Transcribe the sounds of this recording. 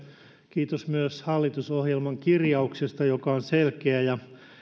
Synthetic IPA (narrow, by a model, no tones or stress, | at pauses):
kiːt̪osmyøshɑlːit̪usohjelmɑŋkirjɑuksest̪ɑjokɑonselkeæjɑ